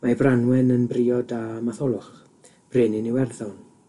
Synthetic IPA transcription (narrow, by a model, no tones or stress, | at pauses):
mabranwɛnənbriːɔdamaθɔlˠʊχ | b̥reːnɪniwɛrðɔwn